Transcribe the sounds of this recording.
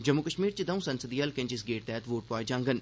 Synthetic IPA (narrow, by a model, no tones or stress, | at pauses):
d͡ʒəmːukəʃmiːɾt͡ʃəd̪ɐũːsɐnsəd̪iːəlkẽɲt͡ʃɪs̬ɡeːʈ̚t̪ɛːt̪ʋoːʈ̚pɔːjd͡ʒãːŋɡən